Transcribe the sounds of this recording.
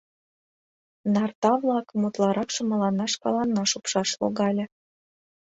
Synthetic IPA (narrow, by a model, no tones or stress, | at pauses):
nɑrt̪ɑβlɑkəmut̪lɑɾɑkʃɤ̆mə̆lɑnɑʃkɑ̰lɑnːɑʃupʃɑʃlo̰ɣɑlʲĕ